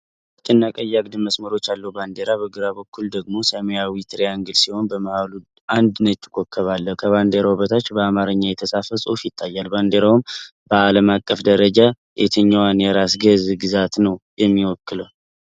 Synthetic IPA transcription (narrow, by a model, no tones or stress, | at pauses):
t͡ʃʼɪnːakʼəjːaɡd̪ɨməsməɾo̞t͡ʃːalːəhuband̪eɾaβəɡɨɾaβəkʰːuld̪əɡmo̞səmejawit̪ʰɾejaŋɡɨlsiho̞nbəmahalu | and̪nət̪ʰːɨ̥kʼːokʰːəβalːəhkʰəβand̪eɾawβət̪ʰat͡ʃːbəamaɾɨɲːajɛt̪ʰəsʼafəsʼo̞̰fjɪt̪ʰʼːajːalband̪eɾawum | bəaləmakʼːəfd̪əɾəd͡ʒa | ʔḛt̪ʰəɲːawanjɛɾasɡəzɡɨzat̪nəwjɛmːiwɔkːɨləw